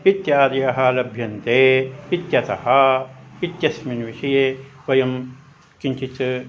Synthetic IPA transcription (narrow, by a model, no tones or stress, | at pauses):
it̪jaːɾjɐɦaːlɐbʱjɐnt̪eːit̪jɐt̪ɐhait̪jɐsminʋiʃɐjeʋɐjɐm | kint͡ʃit͡s